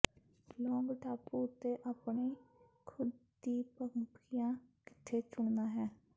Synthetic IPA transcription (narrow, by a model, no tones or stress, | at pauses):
lɔːŋɡʈʰaːpuːʊt̪ːeːʔaːpɳiːkʰʊd̪ | iːpəŋpijãːkɪ̥t̪ʰːeːt͡ʃʊɳd̪aːɦɛː